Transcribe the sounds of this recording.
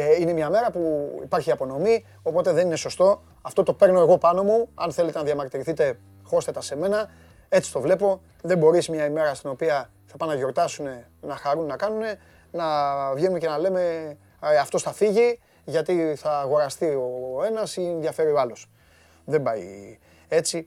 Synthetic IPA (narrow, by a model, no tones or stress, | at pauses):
inemɲɐme̞ɾɐpuḭpɐɾçiɐpo̞no̞mi | o̞po̞t̪e̞ðe̞nine̞so̞st̪o̞ | ɐft̪o̞t̪o̞pe̞ɾno̞e̞ɣo̞pɐno̞muɐ̰nθe̞le̞t̪enɐðjɐmɐkt̪iɾiθit̪e̞ | xo̞st̪et̪ɐse̞me̞nɐ | e̞t͡si̥t̪o̞vle̞po̞ | ðe̞mbo̞ɾismɲɐime̞ɾɐst̪ino̞piɐ | θɐpɐnɐʝo̞ɾt̪ɐsune̞ | nɐxaɾunenɐkɐnune̞ | nɐvenunece̞nɐle̞me̞ | ɐft̪o̞sθɐfiʝi | ʝɐt̪iθɐːɣo̞ɾɐst̪io̞e̞nɐsienðjɐfe̞ɾioalo̞s | ðembɐi | e̞t͡si